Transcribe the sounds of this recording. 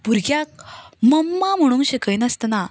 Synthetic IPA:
puɾɡjak̚məmːam̤əɽ̃ũːnɕekəjnəst̪na

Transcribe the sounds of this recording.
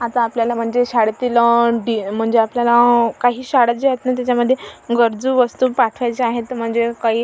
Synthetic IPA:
at̪aːpljalam̤əɳd͡zeɕaɽt̪iləɖim̤əɳd͡zeapljalakaɦiːɕaɽəd͡ʑeɦet̪nat̪jat͡ɕjaməd̪ʱːjeɡəɾd͡zuːʋəst̪uːpaʈʰʋajt͡seaɦet̪ːəm̤əɳd͡zekaɦiː

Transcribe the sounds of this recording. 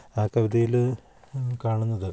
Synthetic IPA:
aːkɐʋid̪ɐjil | kaːɳunːɐðɨ

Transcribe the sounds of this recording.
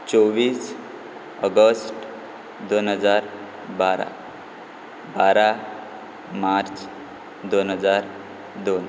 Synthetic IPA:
t͡sɔʋiːs | əɡəsʈ | d̪onɦəd͡zaɾ | baɾa̰ | baɾa | maɾt͡s | d̪onɦəd͡zaɾ | d̪on

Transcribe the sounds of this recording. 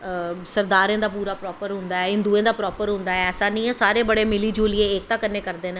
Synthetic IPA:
səɾd̪aːɾẽːd̪aːpuːɾaːpɾɔːpəɾɦʊ̃nd̪aːɛːɪ̃nd̪uẽːd̪aːpɾɔːpəɾɦʊ̃nd̪aːɛːɛːsaːnĩːɛːsaːɾeːbəɽeːmɪliːd͡ʒuːlieːeːk̚t̪ãːkənːẽːkəɾd̪eːnẽ

